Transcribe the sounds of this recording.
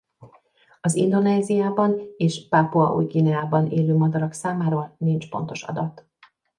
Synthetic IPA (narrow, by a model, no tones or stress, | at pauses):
ɒzḭnd̪o̞nɛːzijaːbɒneːʃpapoɒʔṵːjɡinɛaːbɒneːløːmɒd̪ɒɾɒksaːmaːɾɒnint͡ʃpo̞̰nt̪o̞ʃɒ̰d̪ɒt̪